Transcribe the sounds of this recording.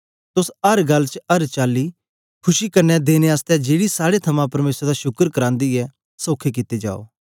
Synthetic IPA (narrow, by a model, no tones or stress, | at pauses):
t̪ʊsɐɾɡɐlːt͡ʃɐɾt͡ʃaːli | kʰʊʃikɐɾnɛd̪eːneaːst̪ɛd͡ʒeːɽisaːɽet̪ʰɐmãpɐɾmeːsɾd̪aʃʊkəɾkɐɾãːnd̪iɛ | soːkʰek̬ɪt̪ed͡ʒa̰ːo̰ː